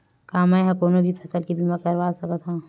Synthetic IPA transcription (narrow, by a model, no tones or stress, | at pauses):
kaːmãɦɐ̃koːnobʱipʰɐsəlkibimakɐɾʋaːsɐkət̪ʰaː